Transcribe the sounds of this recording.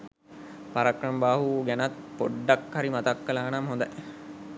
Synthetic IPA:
paɾakrəmbaːɦuɡænat̪poɖːakhaɾimat̪akːɐlaːnamɦõnd̪aj

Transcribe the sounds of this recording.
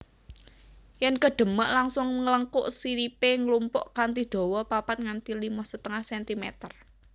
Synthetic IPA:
jɛnkəɖ̥ə̤məʔlaŋsʊŋŋələŋkʊ̰ʔsiɾipeŋlumpʊʔkant̪id̪̥ɔ̤wɔpapat̪̚ŋant̪ilimɔhsət̪əŋahsɛnt̪imḛt̪ər

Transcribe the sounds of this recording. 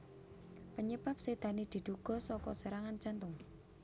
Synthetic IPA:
pəɲəbap̚sed̪̥a̤nid̪̥i̤d̪̥uɡ̥ɔ̤sɔkɔ̰səɾaŋand͡ʒant̪ʊŋ

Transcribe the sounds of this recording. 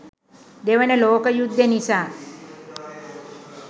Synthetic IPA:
d̪eʋɐnɐloːkɐjud̪ʱːɐnisaː

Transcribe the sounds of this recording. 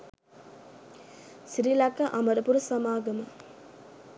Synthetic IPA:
siɾilakɐʔaməɾɐpuɾɐsamaːɡɐmə

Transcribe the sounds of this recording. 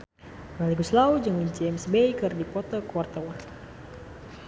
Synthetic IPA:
maliɡuslaud͡ʒɨŋid͡ʒɛmsbejkɨrdipɔt̪ɔkuwart̪awan

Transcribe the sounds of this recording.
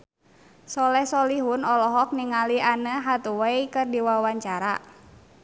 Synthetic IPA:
sɔlɛhsɔliɦunɔlɔɦɔk̚niŋalianəɦat̪uwɛikɨrdiwawaɲt͡ʃaɾa̰

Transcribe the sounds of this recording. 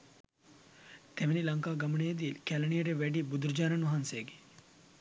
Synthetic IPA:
t̪ɛʋenilɐŋkaːɡɐmɳeːd̪iːlkælɐɳijɐɾeʋɛɖibud̪ɾd͡ʒaːnɐnʋɐɦanseːɡi̥

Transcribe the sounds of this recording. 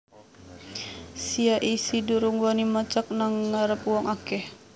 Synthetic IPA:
siaʔisiduɾuŋwanimat͡ʃak̚naŋːaɾəpuwɔŋʔakɛh

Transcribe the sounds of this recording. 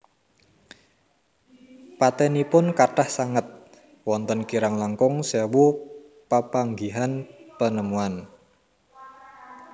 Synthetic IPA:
pat̪ɛnipʊnkaʈahsaŋət̪̚ | wɔnt̪ənkiɾaŋlaŋkʊŋsewu | pəpaŋɡiɦanpənəmuan

